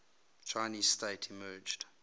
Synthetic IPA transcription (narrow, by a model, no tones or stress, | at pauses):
t͡ʃʰaɪniːzsteɪtʰimɜːd͡ʒd̥